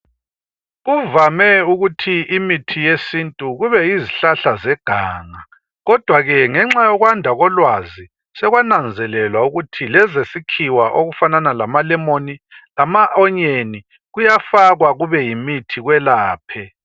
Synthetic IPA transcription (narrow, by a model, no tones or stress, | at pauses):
ɣuvamɛuɣutʰiʔimitʰijesintʼuɣuβɛiziɬaɬazɛɡ̥ʱaːŋa | ɣɔd̥ʱwaɣɛŋɛŋ͡ǁajɔɣwandʱaɣɔlwazi | sɛɣwanand͡zʱɛlɛlwauɣutʰilɛzesikʰiwaʔoɣufananalamalɛmonilamaʔɔɲeni | ɣujafaɣwaɣuβɛjimitʰiɣwɛlaːpʰɛ